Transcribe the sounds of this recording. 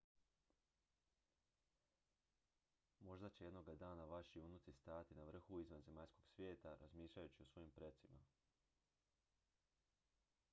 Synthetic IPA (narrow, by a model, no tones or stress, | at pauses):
mo̞ʒd̪at͡ɕeje̞d̪no̞ɡad̪aːnaʋaʃiunut̪sist̪aːjt̪inaʋr̩xuizʋanze̞maʎsko̞ɡ̥sʋje̞ːt̪aɾazmiːʃʎajut͡ɕiosʋo̞jimpɾe̞t̪sima̰